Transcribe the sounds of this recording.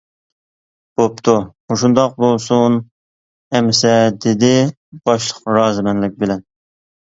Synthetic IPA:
b̥op̚t̪ʰumoʃund̪ɑq̚bolˠsun | ɛmsɛd̪ɪd̪ɪ | bɑʃlˠəqɾɑːzɨmɛnlɪk̚ʲbɪlɛn

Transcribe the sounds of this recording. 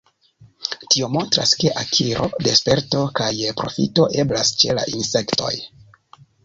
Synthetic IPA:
tio̞mo̞ntɾa̰ske̞ʔakʰiɾʔo̞̰de̞spe̞ɾto̞kajpɾo̞fḭto̞ʔe̞blast͡ʃe̞la̰ʔinse̞kto̞̰j

